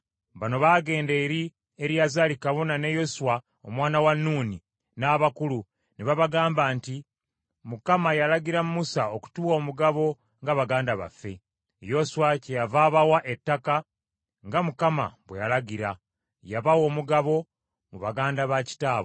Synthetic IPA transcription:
βano̞βaːɡe̞ːnde̞ːɾi | e̞ɾjazalikaβo̞nane̞jo̞suwa | omwaːnawanːuːni | naβakulu | neβaβaɡaːmbaːnti | mukamajalaɡiɾamumusaoku̥tuːwo̞ːmuɡaβo̞ | ŋɡaβaɡaːndaβa̰fːe̞ | jo̞swacejavaːβawaʔe̞tːaka | ŋɡamukama̰βwḛjalaɡiɾa | jaβawo̞ːmuɡaβo̞ | muβaɡaːndaβaci̥taːβo

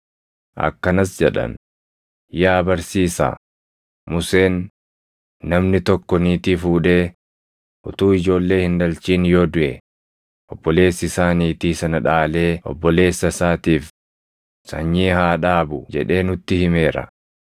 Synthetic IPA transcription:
ʔɐ̰kːɐnɐsd͡ʒɛᶑɐ̰n | jaːbɐɾsiːsa̰ː | mʊse̞ːnː | ɐmnɪt̪ɔkːɔniːt̪iːfuːᶑe̞ː | ʔʊt̪uːɪd͡ʒo̞ːlːe̞ːhɪnd̪ɐlt͡ʃiːnjo̞ːd̪ʊʔɛ | ʔɔbːɔle̞ːsːɪsaːniːt̪iːsɐnɐᶑaːle̞ːʔɔ̰bːɔle̞ːsːɐsaːt̪iːf | sɐ̰ɲːiːhaːᶑaːbʊd͡ʒɛᶑe̞ːnʊt̪ːɪhɪme̞ːɾɐ̰

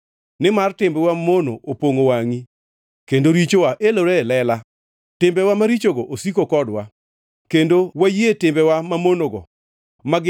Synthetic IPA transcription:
nɪmartɪmbɛwamono̰ʔopoŋowaŋi | kendoɾit͡ʃowaʔeloɾɛlɛla | tɪmbɛwamaɾit͡ʃoɡɔʔosikokɔdwa | kendowajetɪmbɛwamamonoɡɔ̰ | ma

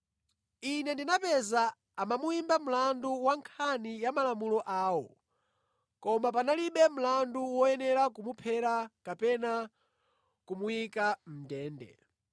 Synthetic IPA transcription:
inɛndinapɛza | amamuimbam̩landuwaŋkʰanijamalamulɔʔaːwɔ | kɔmap̬analiɓɛm̩landuwɔjɛnɛɾakumupʰɛɾakapɛna | kumujikam̩dɛːndɛ̰

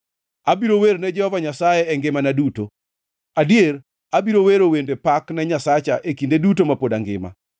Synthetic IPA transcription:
abiɾoweɾnɛd͡ʒɛhɔvaɲasajɛɛŋɡɪmanaduto | adieɾ | abiɾoweɾowendepaknɛɲasat͡ʃaʔekindedutomapodaŋɡɪ̰ma̰

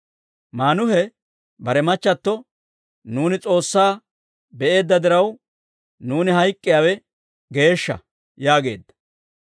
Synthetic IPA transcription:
maːnʊhɛ | bɐɾɛmɐt͡ʃːɐt̪ːɔ | nuːnɪt͡sʼo̞ːsːaː | bɛʔe̞ːd̪ːɐd̪ɪɾɐw | nuːnɪɦɐjkʼːɪjaːwɛ | ɡe̞ːʃːɐ̰ | jaːɡe̞̰ːd̪ːɐ̥

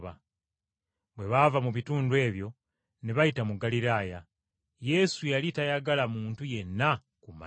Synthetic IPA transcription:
βa | bwe̞βavamuβituːndwe̞ːβjo̞ | neβajitamuɡaliɾaːja | je̞sujalitajaɡalamuːntuje̞nːa | kuma̰

